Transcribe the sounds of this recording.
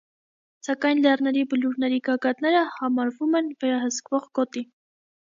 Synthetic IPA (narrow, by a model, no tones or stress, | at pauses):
sɑkɑjnlɛrnɛɾibəluɾnɛɾiɡɑɡɑt̪nɛɾəhɑmɑɾvumɛnvɛɾɑɦəskvɔʁɡɔt̪i